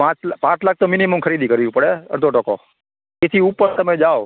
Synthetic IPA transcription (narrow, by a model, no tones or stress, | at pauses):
pãt͡ʃlpãt͡ʃʰlak̚ʰt̪ominiməmkʰəɾid̪ikəɾjũpəɽeə̰ɾd̪ʱoʈəko̰ | et̪ʰiupəɾt̪əmed͡ʒao